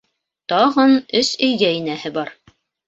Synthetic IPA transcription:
t̪ɑʁɤnɵsɵ̆jɡæinæhɘbɑɾ

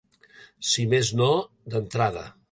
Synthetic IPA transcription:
simezno | d̪ənt̪ɾaðə̰

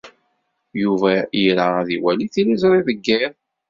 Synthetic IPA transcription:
juvæjiɾaæðiwæliθilizɾˤiðəɡːɪɾ

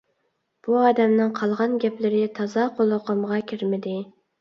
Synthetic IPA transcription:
b̥uɑːd̪ɛmnɪŋqʰɑlˠʁɑnɡʲɛplɪɾɪt̪ʰɑzɑqʰolˠəqəmʁɑkʲʰiɾmɪd̪ɪ

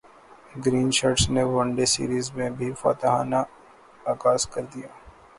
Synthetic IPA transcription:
ɡɾiːnʃaːʈsneʋɐ̃ɳɖesḭːɾiːzmẽbʱifa̰ːt̪əɦa̰ːna | aːkaːskɐɾd̪ijaː

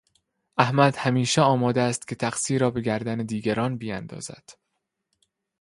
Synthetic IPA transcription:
ʔæhmæd̪̥hæmiːʃeɒːmɒːd̪eæst̪cʰʲe̞t̪ʰæxsiːɾɒːbe̞ɡæɾd̪æned̪iːɡæɾɒːnbiænd̪ɒ̰ːzæ̰d̪̥

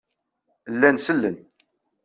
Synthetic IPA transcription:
əlːænsəlːən

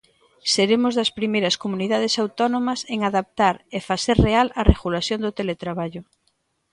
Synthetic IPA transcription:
seɾemʊzðɐspɾimejɾɐskomuniðað̞esawt̪ɔnõmɐseŋaðap̚t̪aɾefaseɾrealɐreɣulasjond̪ot̪elet̪ɾaβaʎʊ

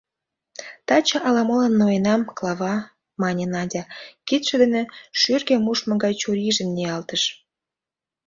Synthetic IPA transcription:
t̪ɑt͡ɕɑʔɑlɑmolənːojenɑmklɑβɑ | mɑnʲenɑdʲɑkit̪ʃĕd̪ĕnĕʃyrɣĕmuʃmɤ̆ɡɑjt͡ɕoɾiʒə̆nneɑlt̪əʃ

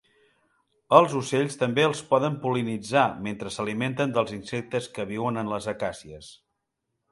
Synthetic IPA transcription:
əlˠzuseʎst̪əmbeəlˠspɔðəmpulinid͡zament̪ɾəsəliment̪ənd̪əlˠzinsɛk̚t̪əskəβ̞iwənənləzəkasiəs

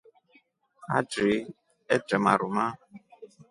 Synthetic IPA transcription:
a̰d͡ʒɾi | ɛd͡ʒɛma̰ɾuma

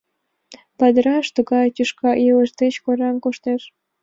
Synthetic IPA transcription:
pɑd̪əɾɑʃt̪uɣɑjt̪ʲyʃkɑjilə̆ʃt̪et͡ɕkoɾɑnkuʃt̪eʃ

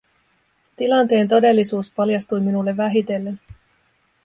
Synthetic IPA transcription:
t̪ilɑnt̪e̞ːnt̪o̞de̞lːisuːspɑljɑst̪ujminulːe̞ʋːæɦit̪e̞lːe̞n

